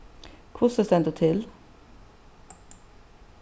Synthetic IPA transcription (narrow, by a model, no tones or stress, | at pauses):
kʰʊsəsd̪ɛnd̪uːt̪ʰɪl